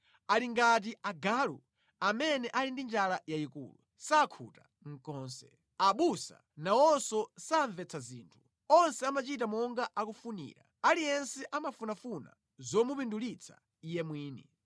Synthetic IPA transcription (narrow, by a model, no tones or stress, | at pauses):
aliŋɡat̬iaɡalṵ | amɛnɛʔalindind͡ʒalajaikṵːlṵ | sakʰuta | ŋ̩kɔːnsɛ̰ | aɓusa̰ | nawɔnsɔsaɱvɛt͡sʰaziːntʰu̥ | ɔnsɛamat͡ʃitamɔŋɡaʔakufunḭːɾa̰ | alijɛnsɛʔamafunafuna̰ | zɔmupindulit͡sʰa̰ | ijɛmwiːnḭ